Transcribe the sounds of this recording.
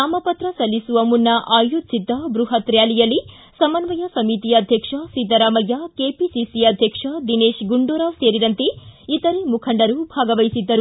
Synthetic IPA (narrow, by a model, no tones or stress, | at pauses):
aːmɐpɐt̪ɾɐsɐlːisuʋɐmunːɐʔaːjut̪̚t͡ʃid̪ɐbɾuɦɐt̪ɾjaːlijɐlːi | sɐmɐnʋɐjɐsɐmit̪ijɐd̪ʱjɐkʂɐsid̪ɐɾaːmɐjːakeːpisisiɐd̪ʱjɐkʂɐd̪ineːʃɡuɳɖuɾaːʋseːɾiɾɐnt̪eit̪ɐɾemukʰɐɳɖɐɾubʱaːɡɐʋɐjsid̪ːɐɾu